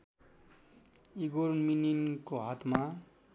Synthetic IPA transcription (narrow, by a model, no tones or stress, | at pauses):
iɡoɾminiŋkoɦat̪ma